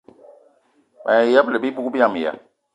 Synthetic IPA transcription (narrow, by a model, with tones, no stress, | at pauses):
ma̰˨a˨ja˦blɛ˨bi˦bu˦ku˦bi˦ã˨mi˨a̰˨